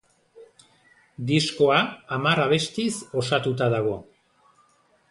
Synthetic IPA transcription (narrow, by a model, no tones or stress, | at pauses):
d̪isko̞aːmaɾaβ̞e̞st̪iso̞sat̪ut̪aðaɣ̞o̞